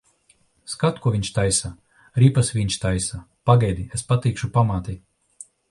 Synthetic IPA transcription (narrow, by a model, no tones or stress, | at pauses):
skat̪kuɔviɲʲʃt̪ajsa | ɾipasʋiɲʲʃt̪ajsa | paɡajd̪iespat̪iːkʃupamaːt̪i